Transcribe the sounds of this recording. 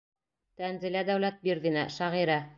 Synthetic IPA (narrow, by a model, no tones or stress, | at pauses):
t̪ænzɘ̆læd̪æwlæt̪̚biɾðɘnæʃæʁiɾæ